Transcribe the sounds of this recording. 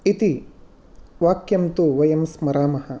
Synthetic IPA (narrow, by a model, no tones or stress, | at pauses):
it̪i | ʋaːkjɐmt̪uʋɐjɐmsmɐɾaːmɐhɐ̆